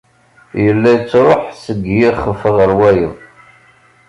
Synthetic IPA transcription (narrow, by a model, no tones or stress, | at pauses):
jəlːæjt͡sːɾˤoħsəɡjiχəfəʁəɾwæjə̰ð